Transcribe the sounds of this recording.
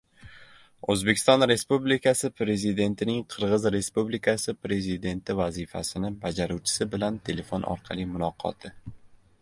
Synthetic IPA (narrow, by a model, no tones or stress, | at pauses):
ozbe̞kʲʰɪst̪ɒnɾe̞spublikʰasɪpʰɾe̞zid̪e̞nt̪ʰɪnɪŋqʰɨɾʁɨzɾe̞spublikʰasɪpɾe̞zɪd̪e̞nt̪ʰɪvazifa̰sɪnɪbad͡ʒaɾuwt͡ʃʰɪ̥sɪbɪlant̪ʰe̞le̞fonʔɒ̰ɾqʰɑlˠimʊlˠɒqʰɒ̰t̪ʰɪ